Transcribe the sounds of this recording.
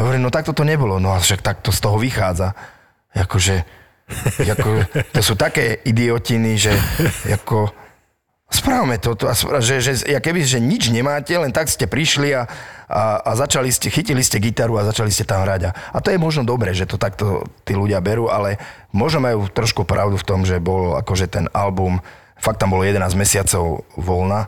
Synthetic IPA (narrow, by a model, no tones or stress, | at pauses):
ɦɔʋɔɾiːmnɔt̪ak̚t̪ɔt̪ɔɲɛbɔlɔnɔaʃak̚t̪ak̚t̪ɔst̪ɔɦɔʋixaːd͡za | jakɔʒɛ | jakɔt̪ɔsuːt̪akɛːid̪iɔciniʒɛja̰kɔ | spɾaːwmɛt̪ɔt̪ɔasaʒɛʒɛjakɛbiʒɛɲid͡ʒɲɛmaːcɛlɛnt̪akscɛpɾiʃliaaːzat͡ʃaliscɛxiciliscɛɡit̪aɾuazat͡ʃaliscɛt̪amɦɾaɟaat̪ɔjɛmɔʒnɔd̪ɔbɾɛːʒɛt̪ɔt̪akt̪ɔ̰t̪iːluɟɪabɛɾuːʔalɛ | mʊɔʒnɔmajuːt̪ɾɔʃkupɾʔa̰ʊd̪uft̪ɔmʒɛbɔla̰kɔʒɛt̪ɛnalbum | fak̚t̪ːambɔlɔjɛd̪ɛnaːzmɛsɪat͡sɔʊʋɔlna